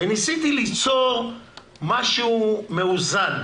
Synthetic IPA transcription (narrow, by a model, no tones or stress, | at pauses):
enisit̪ilit͡so̞ʁ | maʃumeuzan